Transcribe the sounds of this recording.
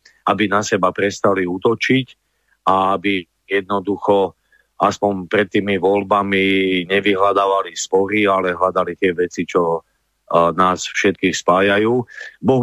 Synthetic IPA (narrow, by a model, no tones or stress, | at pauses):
abinasɛbapɾɛst̪aliuːt̪ɔt͡ʃic | aabi | jɛd̪̚nɔd̪uxɔ | aspɔɲpɾɛt̪ːiːmiʋɔlbamiɲɛʋiɦlad̪aːʋalispɔɾialɛɦlad̪alit̪ɪɛʋɛt͡sit͡ʃɔ | naːsfʃɛt̪̚kiːxspaːjajuːbɔ